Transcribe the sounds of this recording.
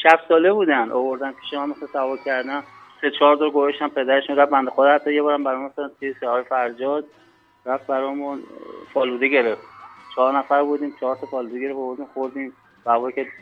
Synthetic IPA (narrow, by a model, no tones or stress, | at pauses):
ʃæbsɒːlebuːd̪ænʔovoɾd̪ænpʰi̥ːʃemæmesænsævɒːlcʲʰæɾd̪æn | set͡ʃʰɒːɾd̪ɔɾɡoveʃt̪æmpʰe̞d̪æɾeʃũnɾæfbænd̪exod̪hæt̪ʰːɒjebɒːɾæmbæɾɔjmumsoænt̪ʰijesehɒːjefæɾd͡ʒɒːd̪̚ | ɾæft̪̚bæɾɒːjmunpʰɒːluːd̪eɟe̞ɾeft̪t͡ʃʰɒɦːɾnæfæɾbud̪iːmt͡ʃʰɒɦɾt̪ʰɒpʰɒːluːd̪eɡe̞ɾefovoɾd̪iːmxoɾd̪ĩːm | sævɒːjkʲʰe